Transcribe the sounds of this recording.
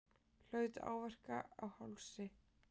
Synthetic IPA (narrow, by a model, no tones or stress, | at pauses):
l̥œːɥt̪a̰ːwvɛr̥kaawhawlsɪ